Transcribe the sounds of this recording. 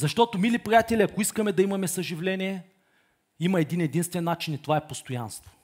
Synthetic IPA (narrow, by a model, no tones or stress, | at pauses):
zɐʃt̪ɔt̪omilipɾʲijat̪ɛlʲiɐkoiskɐmɛd̪ɐimɐmɛsɐʒivlɛnʲiɛ | imɐɛd̪inɛd̪inst̪vɛnːat͡ʃinit̪ovaɛpost̪oja̰nst̪vo̥